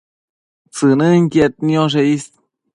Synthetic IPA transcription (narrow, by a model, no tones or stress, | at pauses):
t͡sɨnɨŋket̪̚njoʐ̬eis